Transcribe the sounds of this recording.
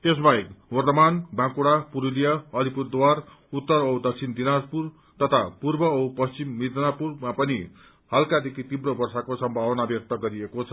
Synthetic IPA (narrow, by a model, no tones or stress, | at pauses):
es̬baekwʌrt̪ʌmanbãkuɽapuɾulijʌʌlipurd̪war | ut̪ːʌɾʌwd̪ʌk̚t͡sʰind̪inaspur | t̪ʌt̪ʰapurbʌʌwpʌst͡simːid̪ʱnapurmapʌni | halkad̪ekʰit̪ibrobʌrsakosʌmbʱawʌnabjʌk̚t̪ʌɡʌɾiekot͡sʰʌ